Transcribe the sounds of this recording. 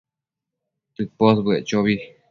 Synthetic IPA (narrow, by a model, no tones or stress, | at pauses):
t̪ɨpos̬bɨet͡ʃoβi